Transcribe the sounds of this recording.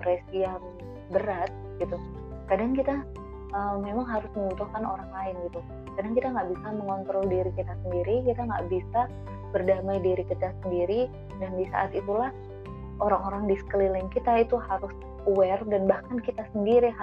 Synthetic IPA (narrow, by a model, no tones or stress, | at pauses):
pɾɛsijaŋ | bəɾat̪̚ɡit̪u | kadaŋkit̪a | əmːemaŋɦaɾʊsməmut̪uhkanoɾaŋlaɪnɡit̪u | kadaŋkit̪aŋɡaʔbisaməŋɔnt̪ɾɔldiɾikit̪asəndiɾikit̪aŋɡa̰ʔbisa | bərdamajdiɾikit̪asəndiɾi | dandisa̰ʔa̰t̪it̪ulah | ʔoɾaŋoɾaŋdisə̥klilɪŋkit̪ait̪uhaɾʊs | uɛrdanbahkankit̪asəndiɾi